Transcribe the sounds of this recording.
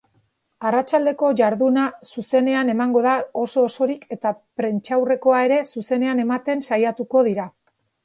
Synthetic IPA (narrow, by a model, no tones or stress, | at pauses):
arat͡ʃald̪e̞ko̞ʝaɾðunasuse̞ne̞ane̞maŋɡo̞ðao̞so̞ːso̞ɾike̞t̪apɾe̞nt͡ʃawre̞ko̞ae̞ɾe̞suse̞ne̞ane̞mat̪e̞nsajat̪uko̞ð̞iɾa